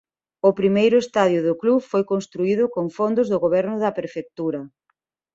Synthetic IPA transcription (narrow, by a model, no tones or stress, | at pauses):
ʊpɾimejɾʊest̪aðjʊðʊklufojkonst̪ɾuiðʊkoŋfond̪ʊzðʊɣoβɛɾnʊðɐpɾefek̚t̪uɾɐ